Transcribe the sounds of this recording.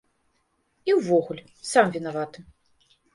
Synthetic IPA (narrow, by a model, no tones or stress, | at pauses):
iwvɔɣulʲ | samvʲinavat̪ɨ